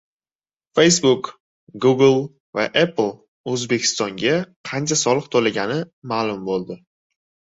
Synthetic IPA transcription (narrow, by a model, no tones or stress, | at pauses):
fe̞jsbʊk | ɡuɡlˠ | va̰ʔepʰlˠ | ɵzbe̞kʲʰɪ̥st̪ɒŋɡʲaqʰɑnt͡ʃʰasɒlˠɨqt̪ʰolaɡʲanɪmaːlˠʊmbolˠd̪ɪ